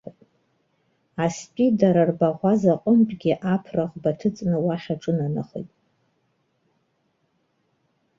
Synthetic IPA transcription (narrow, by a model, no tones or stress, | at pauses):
aspʲʼidaɾarbaʁʷazaqʼʊmpʼɡʲiʔapʰraʁbatʰɨt͡sʼnɨwaχʲaʈ͡ʂʼɨnanaχḛjtʼ